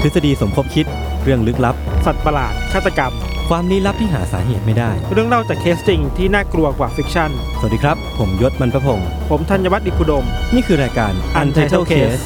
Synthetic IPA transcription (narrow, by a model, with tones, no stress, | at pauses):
t̪ʰɯ˦˥t̪sa˧diː˧so˩˦mkʰo˦˧˥p̚kʰi˦˥t̪̚ | ɾɯ˥˩əŋlɯ˦˥k̚la˦˥p̚sa˨˩t̪̚pa˧la̰ː˨˩t̪̚kʰaː˥˩t̪ːa˧ka˧m | kʰwaː˧mni˦˥la˦˥p̚t̪ʰiː˥˩ɦa̰ː˩˦sa̰ː˩˦ɦeː˨˩t̪̚ma˥˩jdaː˥˩jɾɯ˥˩əŋɾa˥˩wt͡ɕaː˨˩kʰːeː˦˥st͡ɕi˧ŋt̪ʰiː˥˩naː˥˩klu˧ɐkwaː˨˩fi˦˥k̚t͡ɕʰa˥˩n | sa˨˩diː˧kʰɾa˦˥p̚ʰːo˩˦mjo˦˥t̪̚ma˧npʰɾa˦pʰo˧ŋ | pʰo˩˦mt̪ʰa˧nja˧wa˦t̪̚di˨˩p̚ʰːu˧do˧mniː˥˩kʰɯː˧ɾaː˧jkaː˧nʔa˧nt̪ʰa˧t̪ʰːkʰeeː˦˥˦s